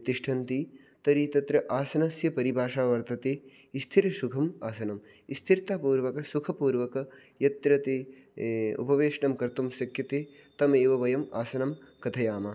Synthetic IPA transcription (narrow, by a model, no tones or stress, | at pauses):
t̪iʂʈʰɐnt̪i | t̪ɐɾit̪ɐt̪ɾɐʔaːsɐnɐsjɐpɐɾibʱaːʃaːʋɐɾt̪ɐt̪eː | ist̪ʰiɾɐsukʰɐmaːsɐnɐm | ist̪ʰiɾt̪aːpuːɾʋɐkɐsukʰɐpuːɾʋɐkɐjɐt̪ɾɐt̪eː | ṵpɐʋeːʂɐɳɐmkɐɾt̪umsjɐkʰjɐt̪eː | t̪ɐmeːʋɐʋɐjɐma̰ːsɐnɐmkɐt̪ʰɐjaːmɐ